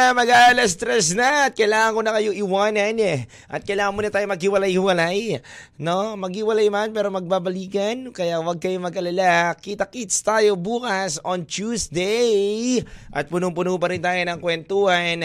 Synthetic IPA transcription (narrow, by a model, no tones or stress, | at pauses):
mɐɡaʔlɐst̪ɾɛs̬naɐt̪̚kɐjlaːŋɐŋkonɐkɐjoʔɪwaːnɐnɛ | ʔɐt̪̚kɐjlaːŋɐnmoːnɐt̪aːjomɐɡhɪwɐlajhɪwɐlaj | no̞mɐɡhɪwɐlajmanpɛːɾo̞mɐɡ̚babɐliːkɐnkɐjawɐɡ̚kɐjomɐɡɐlɐlakiːt̪ɐkit̪st̪aːjo̞buːkɐsont͡ʃuːsd̪ɛj | ʔɐt̪̚pʊnʊpʊnup̬ɐɾɪnt̪aːjonɐŋkwɛnt̪uhɐn